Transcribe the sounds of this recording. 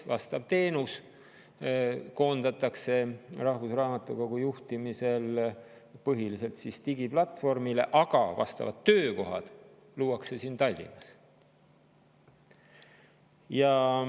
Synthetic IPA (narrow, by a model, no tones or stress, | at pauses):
vɑst̪ɑb̥̚t̪e̞ːnus | ko̞ːnd̪̥ɑt̪ːˑɑkse̞rɑhvusrɑːmɑt̪ːˑukoɡ̥ujuht̪imise̞l | pɤɦilise̞lt̪sist̪iɡ̥iplɑt̪ːˑfo̞rmile̞̰ʔɑɡ̥ɑvɑ̰st̪ɑ̰vɑ̰t̪ːøːko̞ɦɑ̰d̪̥ | luːɑkse̞siːnt̪ɑlʲːḭmɑs | jɑ